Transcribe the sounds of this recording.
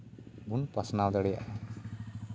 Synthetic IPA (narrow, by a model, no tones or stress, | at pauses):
bunpasnawd̪əɽɛja̰ʔa